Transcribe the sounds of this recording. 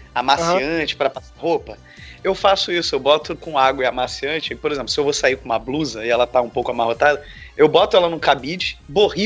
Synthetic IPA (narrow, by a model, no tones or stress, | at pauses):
amasiɐ̃t͡ʃɪ̥pɾɐpasaɦopɐ | ewfasʊisʊewbɔt̪ʊkõaɡwɐɪamasiɐ̃t͡ʃɪpoɾezẽplʊsɪewvosaikõũmɐbluzɐɪɛlɐt̪aũpowkʊamahot̪ad̪ɐ | ewbɔt̪ʊɛlɐnũkabid͡ʒɪ̥bohi